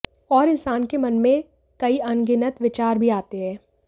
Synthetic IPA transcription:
ɔːɾɪ̃nsaːnkemɐnmẽ | kɐiɐnɡɪnət̪ʋɪt͡ʃaːɾbʱiaːt̪eɦɛ̃ː

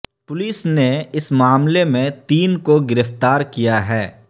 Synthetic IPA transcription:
pʊliːsneɪsmaːmlemẽt̪iːnkoɡɪɾəft̪aːɾkijaɦɛː

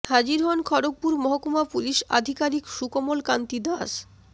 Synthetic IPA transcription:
had͡ʑiɾɦɔnkʰɔɾok̚puɾmɔɦokumapuliʃa̰d̪ʱikaɾikʃukomolkant̪id̪as

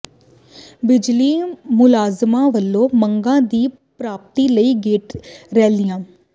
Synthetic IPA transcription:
bɪd͡ʒliːmʊlaːzmãːʋəlːõːməŋɡãːd̪iː | pɾaːp̚t̪iːləiːɡeːʈɾɛːld̪ɪjãː

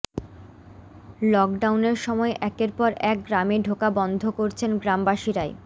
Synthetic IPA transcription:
lɔk̚ɖawneɾʃɔmɔeʔɛkeɾpɔɾɛk̚ɡɾameɖʱokabɔnd̪ʱokoɾt͡ɕʰenɡɾambaʃiɾae

